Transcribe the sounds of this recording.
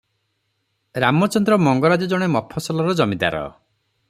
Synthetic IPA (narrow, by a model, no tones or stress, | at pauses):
ɾamɔt͡ʃɔnd̪ɾɔmɔŋɡɔɾad͡ʒɔd͡ʒɔɽ̃emɔpʰːɔsɔlɔɾɔd͡ʒɔmid̪a̰ɾɔ̰